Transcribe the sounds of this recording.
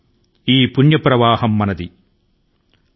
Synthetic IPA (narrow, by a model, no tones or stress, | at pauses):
iːpunjɐpɾɐʋaːhɐmːɐnɐd̪i